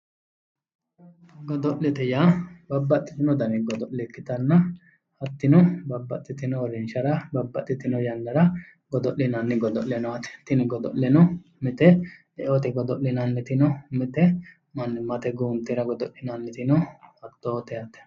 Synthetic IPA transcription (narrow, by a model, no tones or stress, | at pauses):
ɡɔd̪ɔʔlːɛt̪ɛjabɐbːɐt̪ʼːɪt̪ɪnɔd̪ɐnɛɡɔd̪ɔʔlːɛkːɪt̪ɐnːɐ | hɐt̪ːɪnɔbɐbːɐt̪ʼːɪt̪ɪnɔɔɾɪnʃɐɾɐbɐbːɐt̪ʼːɪt̪ɪnɔjɐnːɐɾɐ | ɡɔd̪ɔʔlɪnɐnːɪɡɔd̪ɔʔlːɛnɔɐt̪ɛ̥t̪ːɪnɪɡɔd̪ɔ̰ʔlːɛnɔmɪt̪ɛ | ɛʔot̪ɛɡɔd̪ɔʔlːɪnanːɪt̪ɪnɔmɪt̪ɛ | mɐnːɪmɐt̪ɛɡuːnt̪ːeɾɐɡɔd̪ɔʔɪnanːɪt̪ɪnɔhɐt̪ːoːt̪ɛjɐt̪ɛ̥